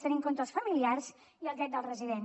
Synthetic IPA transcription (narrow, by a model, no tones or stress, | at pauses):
t̪ənimŋkont̪ɾəlˠsfəmiliarz | iəlˠd̪ɾɛt̪̚d̪əlˠrəziðen